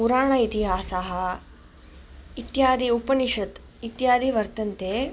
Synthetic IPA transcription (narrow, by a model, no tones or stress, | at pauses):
puɾaːɳɐit̪iɦaːsaːɦɐ̆ | it̪jaːd̪iupɐniʂɐt̪ | it̪jaːd̪iʋɐɾt̪ɐnt̪eː